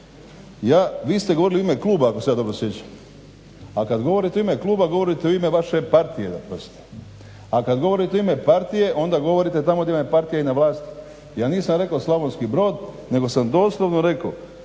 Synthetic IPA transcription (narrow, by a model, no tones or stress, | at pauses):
jaːʋiːst̪e̞ɡoo̞ɾilioimeklˠuːbaakosejad̪o̞bɾosje̞t͡ɕam | akad̪ɡo̞ʋo̞ɾit̪eimeklˠuːbaɡo̞ʋo̞ɾit̪eoime̞ʋaʃe̞paɾt̪ije̞d̪apɾost̪o̥ | akad̪ɡo̞ʋo̞ɾit̪eime̞paɾt̪ije̞ʔo̞nd̪aɡo̞ʋo̞ɾit̪et̪amo̞d̪aimapaɾt̪ijeinaʋlaːst̪i̥ | jaːniːsamɾe̞kaoslˠaʋonskibɾo̞ːd̪ | ne̞ɡo̞samd̪o̞ːslˠoʋnoɾe̞ko